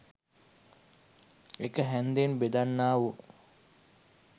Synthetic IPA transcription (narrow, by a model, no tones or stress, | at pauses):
ekəɦænd̪enbed̪anːaːʋu